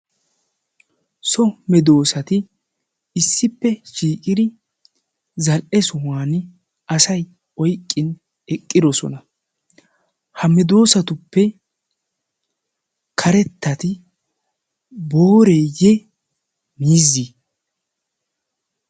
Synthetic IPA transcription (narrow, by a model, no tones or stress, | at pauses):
sɔmɛd̪o̞ːsɐt̪ɪ | ɪsːɪpːɛʃiːkʼɪd̪ɪ | zɐlʔɛsʊwaːn | ʔɐsɐj | ɔjkʼːɪn | ɛkʼːɪd̪ɔsɔ̰nɐ | hɐmɛd̪o̞ːsɐt̪ʊpːɛ | kʰɐɾɛt̪ːɐt̪ɪ | boːɾeːjɛ | miːzːi